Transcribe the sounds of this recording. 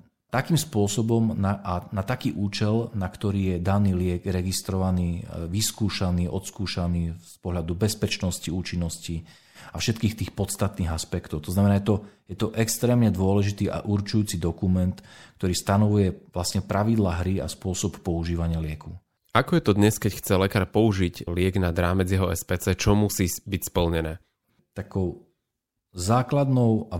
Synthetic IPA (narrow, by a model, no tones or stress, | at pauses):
t̪akiːmspʊɔsɔbɔmnaʔanat̪akiːʔuːt͡ʃɛlnakt̪ɔɾiːjɛd̪aniːlɪɛɡɾɛɡist̪ɾɔʋaniːʋiskuːʃaniːʔɔt̪skuːʃaniːspɔɦʎad̪ubɛspɛt͡ʃnɔsciuːt͡ʃinːɔsci | afʃɛt̪kiːxt̪iːxpɔt̪st̪at̪niːɣaspɛkt̪ɔʊt̪ɔznamɛnajɛt̪ɔjɛt̪ɔʔɛkst̪ɾɛːmɲɛd̪ʊɔlɛʒit̪iːʔa̰ʔuɾt͡ʃujuːt͡sid̪ɔkumɛnt̪k̚t̪ɔɾiːst̪anɔʋujɛʋlasɲɛpɾaʋid̪laɦɾia̰spʊɔsɔppɔuʒiːʋaɲɪalɪɛku | akɔjɛt̪ɔd̪ɲɛskɛcxt͡sɛlɛkaːɾpɔuʒiɟlɪɛɡnad̪ɾaːmɛd͡zjɛɦɔɛspɛt͡sɛt͡ʃɔmusiːbicspl̩ɲɛnɛː | t̪akɔʊ | zaːklad̪nɔʊa